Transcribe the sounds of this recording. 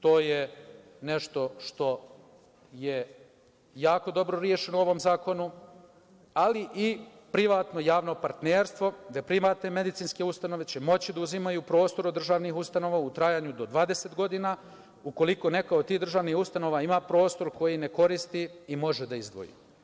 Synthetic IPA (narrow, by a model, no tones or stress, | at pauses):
t̪o̞ːje | ne̞ʃt̪o̞ʃt̪o̞ | je | jaːko̞d̪o̞bɾo̞ɾje̞ʃe̞nouo̞ʋo̞mzaːko̞nu | aliʔi | pɾiʋaːt̪no̞jaːʋno̞paɾt̪neːɾst̪ʋo̞d̪apɾimat̪neme̞d̪it̪siːnske̞ust̪ano̞ʋe̞t͡ɕe̞mo̞t͡ɕid̪auzimajuːpɾo̞ːst̪o̞ɾod̪ːr̩ʒaːʋnixust̪ano̞ʋaut̪ɾajaːɲud̪o̞d̪ʋaːd̪e̞set̪ɡo̞d̪inaː | uko̞liko̞ne̞kaod̪t̪iːɦd̪ɾr̩ʒaːʋnixust̪ano̞ʋaimaːpɾo̞ːst̪o̞ɾko̞jine̞ko̞ɾist̪iimo̞ʒed̪aizd̪ʋo̞̰jḭ